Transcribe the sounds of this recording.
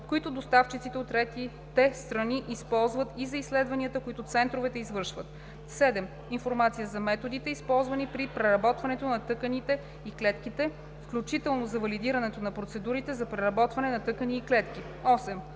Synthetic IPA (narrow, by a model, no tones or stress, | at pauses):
koit̪ʊd̪ost̪aft͡ʃit̪sit̪ɛot̪ːɾɛt̪i | t̪ɛst̪ɾɐniʔispɔlˠzvət̪izɐislɛd̪vɐniət̪əkoit̪ʊt̪sɛnt̪ɾovɛt̪ɛizvɤɾʃvət̪ | sɛd̪ɛm | infoɾmat̪sijəzɐmɛt̪od̪it̪ɛispɔlˠzvɐnipɾipɾɛɾɐbɔt̪vɐnɛt̪onɐt̪ɤkənit̪ɛ | iklɛt̪kit̪ɛ | fklʲut͡ʃit̪ɛlˠnozɐvɐlid̪iɾɐnɛt̪onɐpɾot̪sɛd̪uɾit̪ɛzɐpɾɛɾɐbɔt̪vɐnɛnɐt̪ɤkəniːklɛt̪k̟ʲi | ɔsɛm